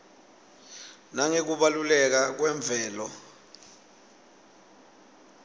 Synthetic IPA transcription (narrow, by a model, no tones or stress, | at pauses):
naŋek̬uɓalulɛk̬ak̬wɛɱb̪vʱɛːlɔ